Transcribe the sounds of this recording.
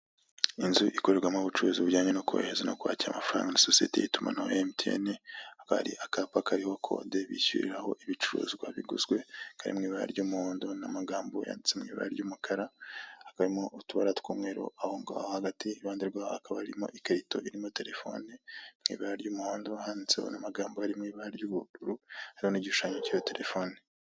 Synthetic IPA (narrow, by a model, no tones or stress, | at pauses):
inzuʔiko̞ɾe̞ɾɡwamoβut͡ʃuɾuziβuɾɟaːɲenokuβaḛhezano̰kuwa̰ːciɾa̰mafɾa̰ːŋɡanasosietḛjituma̰naemtiḛniakaβa̰ɾiʔakaːpakaɾihokʰo̞̰ːdeβḭsṵɾḭɾaho̞ʔiβit͡ʃuɾṵːzɡwaβiɡuzɡwe̞kʰaɾḭmŋiːβaɾa̰ɾɟuːmuhoːndonamaɡaːmboja̰ːndit͡semŋḭːβa̰ɾaɾɟuːmukʰaɾaakaɾimo̞ʔutuβa̰ɾatu̥kuːmŋe̞ɾo̰ʔahoːŋɡaβa̰haɡatiβaːndiɾɡwaakaβaɾimo̞̰ʔikeɾito̞ʔiɾimo̞te̞ɾe̞fo̞̰ːnimŋḭːβaɾaɾɟuːmuhaːndohaːndit͡sḛho̰namaɡaːmbohaɾimŋiːβaɾaɾɟuβuɾuɾuhaɾiho̞niɟiʃu̥ʃaːɲecijoteɾʔefoːni